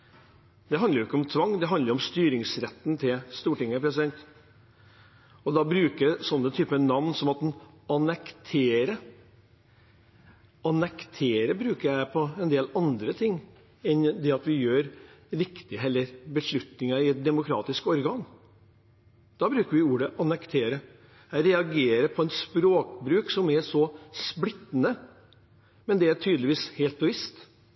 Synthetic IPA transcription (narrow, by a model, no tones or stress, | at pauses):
d̪ɛɦɑnd̪əjʊɪkːəɔmt̪ʰʋɑŋːd̪ɛɦɑnd̪əɾɔmst̪yːɾɪŋsɾɛt̪ːn̩t̪ʰɪlst̪uːʈɪŋːəpʰɾɛsɪd̪ɛnt̪ | ɔd̪ɑbɾʉːkəsɔnːət̪ʰyːpənɑʋnsɔmɑt̪̚d̪ɛn | ɑnɛkt̪ʰeːɾə | ɑnɛkt̪ʰeːɾəbɾʉːkəɾjæɪpʰɔɛnd̪eːlɑnd̪ɾət̪ʰɪŋː | ɛnd̪ɛɑt̪ʋɪjøːɾ | ɾɪkt̪ɪɦɛlːəɾbəʂɭʉt̪nɪŋɑɪd̪ɛmʊkʰɾɑ̰ːt̪ɪskɔɾɡɑːn | d̪̥ɑːbɾʉːkəɾʋɪuːɾəʔɑnɛkt̪ʰeːɾə | jæɪɾɛɑɡeːɾəpʰɔɛt̪spɾoːkbɾʉːksɔmæʂɔsplɪt̪ːnə | mɛnd̪ɛæʈʰyːd̪əlɪʋiːsheːlt̪̚bɛʋɪst̪